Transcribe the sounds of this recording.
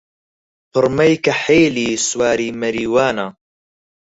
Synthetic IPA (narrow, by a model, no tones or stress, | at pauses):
pʰɨɾmɐjkɐħeːliːswaːɾiːmɐɾiːwaːna